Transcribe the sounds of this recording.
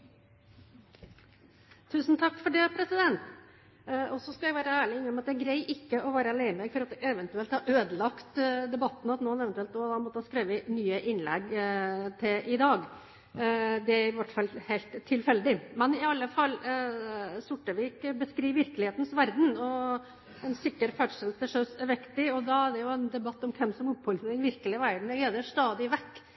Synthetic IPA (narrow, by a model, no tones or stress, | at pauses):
t̪ʰʉːsn̩t̪ʰɑkːfɔɖɛːpʰɾɛsɪd̪ɛnt̪ | ɔsːɔskɑljæɡʋæːɾəæːɭɪɪnəɔmɑt̪̚d̪ɛæɾɡɾæɪʔɪkːəʔɔʋæːɾəɛlæɪməmɛɡfɔɾɑt̪̚d̪ɛʔɛʋənt̪ʉɛlt̪hɑɾøːd̪əlɑkt̪d̪ɛbɑt̪ːn̩ɑt̪noːnɛʋɛnt̪ʉɛlt̪ɔd̪ɑːmɔt̪ːəɑskɾeːʋənyːəʔɪnlɛ̰ɡt̪ʰɪlʔɪd̪ɑːɡ | d̪ɛæɾʋæʈfɑlhæɪlt̪ʰːɪlfɛld̪ɪmɛnɪɑlːəfɑlː | sʊʈːəʋiːkbəskɾiːʋʋɪɾkəlɪheːt̪n̩sʋæɾd̪n̩ɔ | ɛnsɪkːəɾfæʈʂɛlst̪əʂøːsɛʋɛkt̪ɪɔd̪ɑæɖɛjʊɛnd̪ɛbɑt̪ːɔmkʰɛmsɔmʊpːhɔlsd̪ɪnʋɪɾkəlɪəʋæɾɖ̪ɳ̩ɡeːd̪əʂt̪ɑːd̪ɪʋɛkː